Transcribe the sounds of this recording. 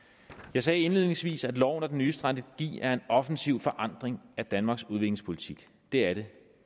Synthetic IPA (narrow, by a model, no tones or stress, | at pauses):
jɑ̈ɪsɛːe̝nlið̞̰ˠne̝ŋsʋḭːsæd̥lɒʊ̰nɒd̥enyːsd̥ʁɑnd̥əɡ̥ḭːæɐe̝nɒ̽fn̩siʊfɒ̽ʔɑ̈n̰d̥ʁeŋæd̥ænmɑ̈ːɡ̥suð̞ˠʋe̝ɡ̥ne̝ŋspʰo̝lit͡sʰiɡ̥ | d̥e̝æɐɾ̥e̝